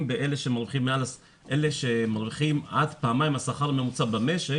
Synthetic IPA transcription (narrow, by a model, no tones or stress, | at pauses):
mbeʔeleʃemaʁviχimːeala | ʔeleʃemaʁviχimadpaːmajimasaχaʁame̞mut͡sabame̞ʃe